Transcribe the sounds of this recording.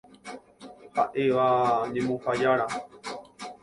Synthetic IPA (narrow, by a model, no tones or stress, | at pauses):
haʔeʋaɲẽmõfajaɾa